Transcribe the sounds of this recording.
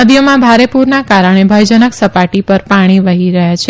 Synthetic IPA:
əd̪jəmãbʱaɾepuɾnakaɾəɽ̃ebʱəjd͡ʒənəksəpaʈipəɾpaɽ̃iʋəɦiɾəɦjat͡ʃʰe

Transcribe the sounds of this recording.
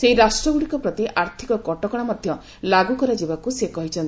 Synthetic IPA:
seɦiɾasʈɾɔɡuɽikɔpɾɔt̪iʔaɾt̪ʰikɔkɔʈɔkɔɽ̃amɔd̪ʱjɔ | laɡukɔɾad͡ʒibakusekɔɦit͡ʃʰɔnt̪i

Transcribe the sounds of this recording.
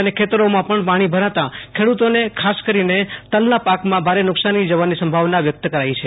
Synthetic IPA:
ənekʰet̪əɾomãpəɳpaɽ̃ibʱəɾat̪akʰeɽut̪onekʰaskəɾinet̪əlnapakmãbʱaɾenʊksanid͡ʒəʋanːisə̃mbʱaʋnaʋjək̚t̪əkəɾait͡ʃʰe

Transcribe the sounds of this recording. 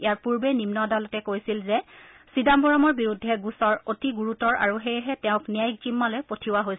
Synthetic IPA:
ijaɹpuɹbɛnimnɔdalɔtɛkojsilzɛ | sidambɔɹɔmɔɹbiɹudʱːɛɡusɔɹotiɡuɹutɔɹa̰ɹuɦejɦɛtɛʊ̃knijajk̚zimːalɔjpotʰiwaɦojs

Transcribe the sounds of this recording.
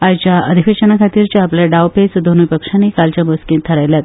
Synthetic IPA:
ajt͡ɕjaʔəd̪ʱifeɕənakʰat̪iːɾt͡ɕaːpljaɖawpesd̪ʱonujpəkʂanːikalt͡ɕamuskĩnt̪ʰːəɾajljat̪

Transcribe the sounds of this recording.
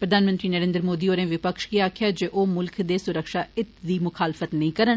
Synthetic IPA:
pɾəd̪ʱaːnmə̃nt̪ɾiːnəɾẽːnd̪ɾmoːd̪iːoːɾẽːʋɪpəkʃkiaːkʰjaːd͡ʒeːʔoːmʊlkʰd̪eːsʊɾəkʃaːɪt̪d̪iːmʊkʰaːlfət̪nəĩːkəɾən

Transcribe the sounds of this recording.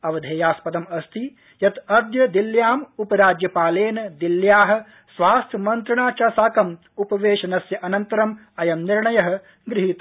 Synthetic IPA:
ɐʋɐd̪ʱeːjaːspɐd̪ɐmɐst̪ʰi | jɐt̪ɐɾd̪ʱjɐd̪iljaːmupɐɾaːd͡ʒjɐpaːleːnɐd̪iljaːɦɐ̆ | sʋaːst̪ʰjɐmɐnt̪ɾɐɳaːt͡ʃaːsaːkɐm | upɐʋeːʃɐnɐsjɐʔɐnɐnt̪ɐɾɐm | ɐjɐmniɾɳɐjɐɦɐ̆ | ɡɾiɦit̪

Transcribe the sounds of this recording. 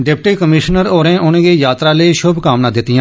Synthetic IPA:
ɖɪp̚ʈiːkəmɪʃnəɾoːɾẽːʔʊnẽːɡeːjaːt̪ɾaːleːʃʊbkaːmnãːd̪ɪt̪ːɪjãː

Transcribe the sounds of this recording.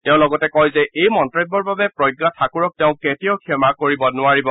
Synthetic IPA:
tẽʊ̃lɔɡɔtɛkɔjzɛejmɔntɹɔbːɔɹbabɛpɹɔjɡːatʰakuɹɔk̚teʊ̃ketijɔkʰɛmakoɹibɔnʊaɹibɔ

